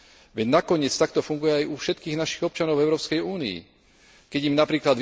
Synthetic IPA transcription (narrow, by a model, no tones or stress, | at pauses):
ʋɛɟnakɔɲɪɛt͡st̪ak̚t̪ɔfuŋɡujɛajufʃɛt̪kiːɣnaʃiɣɔp̚t͡ʃanɔʊvɛʊɾɔːpskɛjuːniḭ | kɛɟimnapɾiːklad̪ʋ